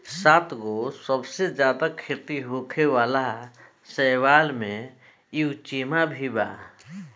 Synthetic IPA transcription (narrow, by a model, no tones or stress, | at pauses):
saːt̪ɡosəbsed͡ʒjaːd̪akʰet̪iɦoːkʰeʋaːla | sɛːwaːlmẽ | it͡ʃiːmabʱiba̰ː